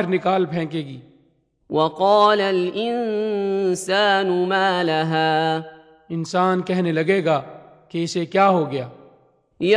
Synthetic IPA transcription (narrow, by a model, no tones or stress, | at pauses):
ɾnɪkaːlpʰɛ̃ːkeːɡiː | wɑqɑːlalʔɪn | saːnʊmaːlaɦaː | ɪnsaːnkɛɦnelɐɡeːɡaːkeɪsekjaːɦoɡɐjaː | j